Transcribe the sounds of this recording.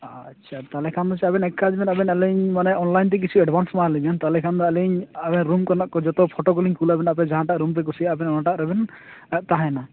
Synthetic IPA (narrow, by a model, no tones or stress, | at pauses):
atːʃʰat̪alɛkʰand̪ɔsʰɛabɛnɛkad͡ʒ̪ibɛnabɛnaleɲmanɛɔnlajnt̪̬ɛk̬it͡ʃʰiɛɖbʱansmalɛbɛnt̪alɛkʰand̪ɔəleɲabɛnɾumkɔnaʔkɔd͡ʒɔt̪ɔpʰɔʈok̬ɔliŋkulabɛnap̬ɛd͡ʒaɦãʈaʔɾump̬ɛkusiabɛnɔnaʈaʔɾɛbɛn | t̪aɦɛna